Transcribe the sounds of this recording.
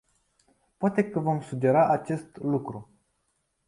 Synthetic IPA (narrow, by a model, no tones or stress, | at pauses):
poat̪e̞kəvo̞msud͡ʒe̞ɾaʔat͡ʃe̞st̪lukɾu